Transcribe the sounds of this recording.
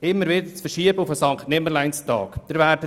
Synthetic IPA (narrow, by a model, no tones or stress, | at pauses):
ɪmːəɾvɪd̪əɾt͡sfəɾʃiəbəufəsɑŋktnɪməlaɪnstɑ̰ːkd̪̥ɪɾvæːɾdə